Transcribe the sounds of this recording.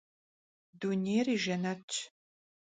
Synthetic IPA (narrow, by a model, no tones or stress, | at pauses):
dunʲeːriːʒɐnɐt͡ʃʼʰ